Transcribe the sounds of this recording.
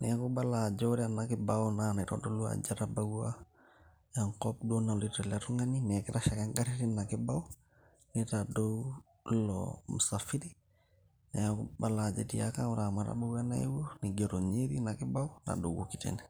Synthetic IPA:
nɛakubalad͡ʒɔɾianakɪbaɔnanɛtɔ̰dolua̰d͡ʒaɾabaɡua | jaŋkɔp̚donalitalatuŋaninɛkɪɾaʃakaŋɡaɾiɾinakɪbau | nɛtado | lɔ̰musafiɾi | najakubalad͡ʒḛtia̰kauɾamaɾa̰baɡuanaḭwoniɡeɾoɲeɾinakɪbauna̰dowokitɛ̰nɛ

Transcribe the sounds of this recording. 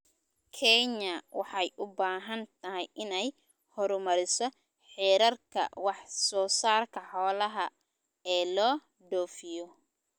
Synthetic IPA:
kʰɛɲɐwɑħɑjʔʊbaːɦɐnt̪ʰɐɦɛjʔɪnɛj | hɔɾʊmɐɾɪsɔ | ħɛːɾɐrkʰɐ̰wɑħsɔːsaːrkʰɐħɔːlɐɦɐ | ɛːlɔː | ɖɔːfɪjɔ

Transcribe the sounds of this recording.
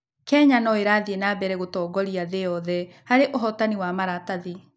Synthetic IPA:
kɛɲanɔeɾaːðienabɛɾɛɣotɔːɡɔɾiaðeɔðɛ | haɾeʔoɦɔtaniwamaɾataði

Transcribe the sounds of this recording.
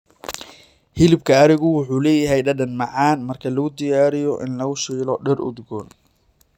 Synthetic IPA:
hɪlɪb̚kʰɐɐɾɪɣʊwʊħuːlɛːjɐɦɛjɖɐɖɐnmɑʕɑːnmɐrkʰɐlɐɣʊd̪ɪjaːɾɪjɔʔɪ̰nlɐɣʊʃiːlɔɖɛrʊ̰d̪ɡɔːn

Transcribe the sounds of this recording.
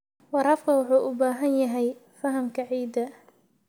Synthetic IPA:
wɑɾɐːfkʰɐwʊħuːʔʊbaːɦɐnjɐɦɛjfɐɦɐmkʰɐʕiːd̪ɐ

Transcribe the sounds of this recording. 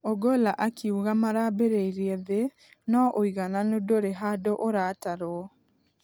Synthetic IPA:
ɔɡolaʔakʰiuɣamaɾabeɾeiɾiɛðe | nɔʔoiɣananodoɾeɦadoʔoɾataɾwɔ

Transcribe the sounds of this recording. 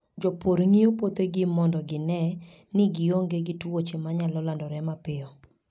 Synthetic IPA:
d͡ʒɔpoɾŋiopot̪eɡɪmɔndɔɡɪnɛ | nɪɡɪoŋɡeɡɪtwot͡ʃemaɲalɔlandɔɾɛmapɪɔ

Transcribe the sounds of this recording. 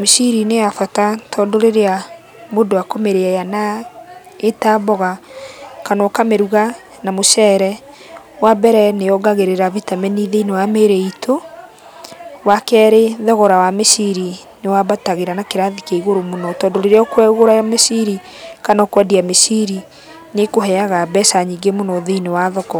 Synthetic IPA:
mesiɾineafatatʰɔːndoɾeɾea | modowakomeɾeajana | etabɔɣa | kanɔkameɾuɣa | namoʃɛɾɛ | wabɛɾɛneɔɡaɣeɾeɾavitamɛniðeinewameɾɛitʰo | wakɛɾeðɛɣɔɾawamesiɾi | newabataɣeɾanakeɾaðikeiɣoɾomonɔtɔːndoɾeɾeɔkwɛɣoɾajamesiɾi | kanɔkwɛdiamesiɾi | nekoɦɛaɣabɛsaɲiɡemonɔðeinewaðɔkɔ

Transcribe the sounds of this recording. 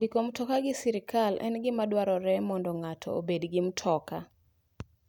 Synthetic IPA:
ikomtɔkaɡɪsiɾɪkʰalɛ̰nɡɪmadwaɾɔɾɛmɔndɔŋatʰɔ̰o̰bedɡɪm̩tʰɔka

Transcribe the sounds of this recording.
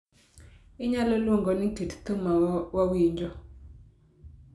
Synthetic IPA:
ɪɲalolwoŋɡɔnitett̪omawawiɲd͡ʒɔ

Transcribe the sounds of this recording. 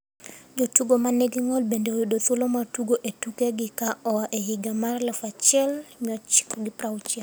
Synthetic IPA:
d͡ʒotuɡomaneɡiŋɔlbendeojudot̪olomatuɡoʔetukeɡɪkaɔwaʔeɦiɡamarlɛfat͡ʃɛlmiɔt͡ʃkɔɡɪpɾawt͡ʃɛ

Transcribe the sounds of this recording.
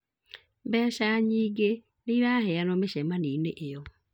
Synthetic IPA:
mbɛːɕaɲiːɡe | neiɾahɛanɔmeɕɛmaniːneʔejɔ

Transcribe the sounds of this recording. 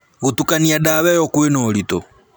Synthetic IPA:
ɣutukaniaɗawɛjɔkuwenɔːlitɔ̰

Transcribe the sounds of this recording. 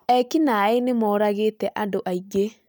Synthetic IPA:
ɛkinaenemɔːɾaɣetɛʔandoʔaiɡe

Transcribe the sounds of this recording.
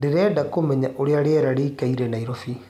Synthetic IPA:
deɾɛːdakomɛɲaʔoɾeaɾeɛɾaɾeːkaiɾɛnaiɾɔfi

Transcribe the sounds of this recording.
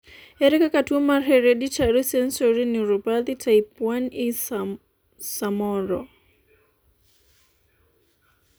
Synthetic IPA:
ɛɾɛkakatumarɦɛɾɛɗit͡ʃaɾɔsɛnsɔɾiniɾɔpaðitʰaipwani | samɔɾɔ

